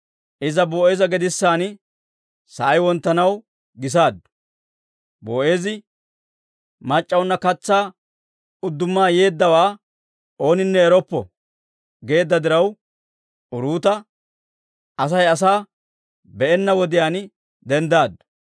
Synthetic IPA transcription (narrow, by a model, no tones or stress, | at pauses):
ʔɪzɐboːʔe̞ːzɐɡɛd̪ɪsːaːn | sɐʔɐjwɔnt̪ːɐnɐw | ɡɪs̬aːd̪ːʊ̥ | boːʔe̞ːzɪ | mɐt͡ʃʼːɐwnːɐkɐt͡sːaː | ʊd̪ːʊmːaːje̞ːd̪ːɐwaː | o̞ːnɪnːɛːɾɔpːɔ̰ | ɡe̞ːd̪ːɐd̪ɪɾɐw | ʊɾuːt̪ɐ | ʔɐs̬ɐjɐs̬aː | bɛʔɛnːɐwɔd̪ɪjaːn | d̪ɛnd̪aːd̪ːʊ̥